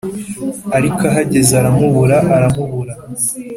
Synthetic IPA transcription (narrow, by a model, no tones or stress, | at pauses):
aɾikaɦaɟe̞zaɾamuβuɾaʔaɾamuβuɾa